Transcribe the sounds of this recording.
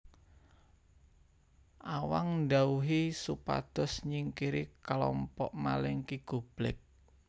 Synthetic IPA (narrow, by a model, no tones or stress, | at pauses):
ʔawaŋɳɖauɦisupa̰d̪̥ɔ̤sɲiŋkiɾikalɔmpɔʔmalɛŋkiɡ̥ṳb̥lɪk̚